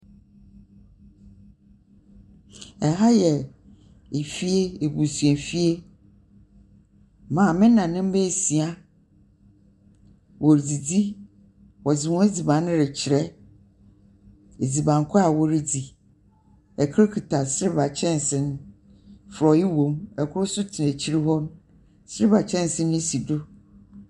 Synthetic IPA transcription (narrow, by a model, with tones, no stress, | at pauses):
ɛ˨ɦa˦jɛ˨ | e˨fi˦e˦e˨bu˨su˨ɛ˨fi˦e˦ | mãː˨mɪ̃˦nã˨nɪ̃˦m̩˦bɛ˦˨si˨a˦ | wo˨ɾd͡zi˨d͡zi˦ | wɔ˨d͡zɪ˨wɔ̃˦e˦d͡zi˨bã˨˦nɪ̃˦ɾɪ˨t͡ɕʰɪ˨ɾɛ˦ | e˨d͡zi˨bã˨ŋ˨kʰʊ˦a˨wɔ˦ɾi˨d͡zi˨ | ɛ˨kʰe˦kʰi˨tʰa˨sɪ˦ɾɪ˦ba˨t͡ɕʰɛ̃˦n˨sɪ̃˦n˦ | fɾɔ˨jɪ˦wõ˦mɛ˨kʰʊ˦ʊ˦sʊ˦tʰɪ˨ɛ̃˨t͡ɕʰi˦ɾi˦ɦɔ̃˦m | sɪ˦ɾɪ˦ba˨t͡ɕʰɛ̃˦n˨sɪ̃˦nː˦ʊ̃˦si˨dʊ˦